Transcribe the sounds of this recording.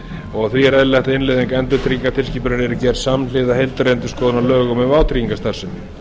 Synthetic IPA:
ɔɣθviɛɾɛðlɛht̪aɪnlɪðɪŋkɛnt̪ʏɾt̪ʰɾiiŋkat̪ʰɪlsciːpʏɾʏnɛɾɪcɛːɾ̥samnlɪːðahejlt̪aɾejnt̪ʏ̥skɔːðʏnalœːɣʏmɛvaːwt̪ʰɾiːiŋkast̪ar̥sʏnːɪ

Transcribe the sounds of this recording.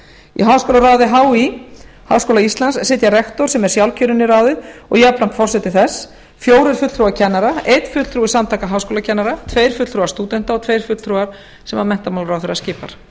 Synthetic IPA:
ḭɦaːwskowlaɾaːwðɪɦaːwihaːwskowlaist̪lanssɪt̪jaɾɛxt̪ɔɾ̥sɛmɛ̥sjawlcʰʏɾʏnːɪraːwðɪðɔ̰ɣjapɾamt̪fɔrsɛt̪ɪθɛs | fjoːwɾʏɾ̥fʏt̪t̪ɾuacʰɛnːaɾaejt̪fʏt̪t̪ɾuːɪ̥samt̪ʰaːkaɦaːwskowlacʰɛnːaɾat̪ʰveːjɾ̥fʏt̪ɾuɣaɾst̪uːt̪ɛn̥t̪aɔt̪ʰvejɾ̥fʏt̪ʰɾuɣaɾ̥ | sɛmamɛnt̪amawlɾawθɛɾascɪːpaɾ̥

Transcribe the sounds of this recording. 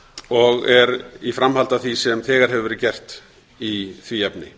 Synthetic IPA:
ɔɣɛɾifɾamhalt̪aθisɛmθɛːɣaɾ̥ɦɛvɪvɛɾɪðcɛr̥t̪ | iθviɛpnɪ̰

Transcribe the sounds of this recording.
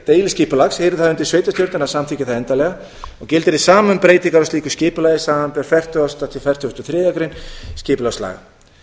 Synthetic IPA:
t̪eːjlɪscɪːpʏlaksheːɾɪθaðʏnt̪ɪ̥ɾsveːjt̪ast̪jowɾt̪ɪnasamt̪ʰɪcɪθaðɛnt̪alɛɣa | ɔɣcɪlt̪ɪɾɪsaːmʏmpɾeːjt̪iŋkaɾɔst̪iːkʏscɪːpʏlaːjðɪsaːmanpɛɾfɛr̥t̪ʏɔst̪at̪ʰɪlfɛ̥t̪ʏʏst̪ɔθɾɛːðjakɾɪnscɪːpʏlasla̰ːɣa̰

